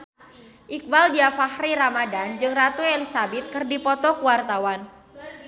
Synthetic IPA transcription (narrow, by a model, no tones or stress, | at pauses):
ʔik̚baldiafahriɾamadand͡ʒɨŋrat̪uelisabɛt̪̚kɨrdipɔt̪ɔkuwart̪awan